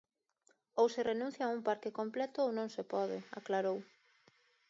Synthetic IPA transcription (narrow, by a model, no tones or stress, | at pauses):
owsɪrenũn̟θjauŋpaɾkɪkomplɛt̪ʊownõŋsepɔðɪa̰klaɾow